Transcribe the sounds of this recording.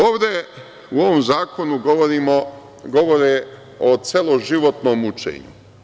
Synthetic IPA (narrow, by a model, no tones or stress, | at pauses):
oːʋd̪e̞ | uo̞ʋomzaːko̞nuɡɾimo | ɡo̞ʋoɾe | ot̪selˠoʒiʋo̞t̪noːmut͡ʃḛːɲṵ